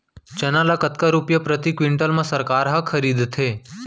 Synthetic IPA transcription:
t͡ʃənaləkət̪kaɾupjəpɾət̪ikʋiɳʈəlmãsəɾkaɾɦəkʰəɾid̪t̪ʰe

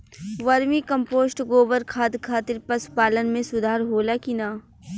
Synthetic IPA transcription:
ʋɐɾmĩkɐ̃mpoːsʈɡoːbəɾkʰaːt̪kʰaːt̪ɪɾpɐspaːlənmẽsʊd̪ʱaːɾɦoːlakinaː

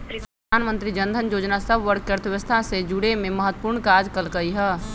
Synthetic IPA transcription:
pɾəəd̪ʱaːnmə̃nt̪ɾid͡ʒə̃nd̪ʱənjoːd͡ʒnasəbʋəɾk̚kəɾt̪ʰʋɪʋəst̪ʰased͡ʒʊɽemẽməɦət̪wə̥puːɾɳkaːd͡ʒkəlkəiɦɛː

